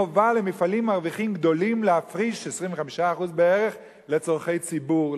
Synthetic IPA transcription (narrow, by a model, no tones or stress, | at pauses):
ovalemifalimːaʁviχimɡd̪o̞limlehafʁiʃesʁimveχamiʃaːχuzbeeʁeχ | le̞t͡soʁχe̞jt͡sibuʁ